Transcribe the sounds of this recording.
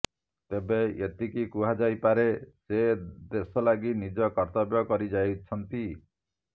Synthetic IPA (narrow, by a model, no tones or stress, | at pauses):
t̪ebeet̪ikikuɦad͡ʒajpaɾesed̪esɔlaɡinid͡ʒɔkɔɾt̪ɔbjɔkɔɾid͡ʒajt͡ʃʰɔnt̪i